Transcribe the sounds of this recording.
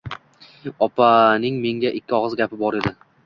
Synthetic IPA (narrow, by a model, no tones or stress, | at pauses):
ɒpʰanɪŋme̞ŋɡʲaʔɪkʲːɪɒʁɨzɡʲapɪbɒɾe̞d̪ɪ